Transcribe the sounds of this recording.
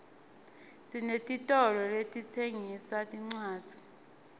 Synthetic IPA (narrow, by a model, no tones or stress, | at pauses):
sinetʼitʼɔlɔletʼit͡sʰeŋisatʼiŋ͡ǀaːd͡z̥ʱi̥